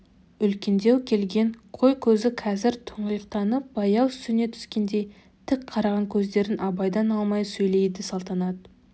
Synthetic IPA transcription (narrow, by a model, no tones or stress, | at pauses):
ʏlkʲend̪ewkʲʰe̞lɡʲe̞ɴqʰo̞jkʲʰɵzɪqʰɑzɪɾt̪ʰʊ̥ɴʁəjəqt̪ɑnəp̚bɑjɑwst̪ɪne̞t̪ʰʏ̥skʲe̞nd̪e̞j | t̪ʰɪkqʰɑɾɑʁɑŋkʲʰɵzd̪e̞ɾɪnʔɑbɑjd̪ɑnɑlˠmɑjsɵjle̞jd̪ɪsɑlˠt̪ɑnɑd̪ə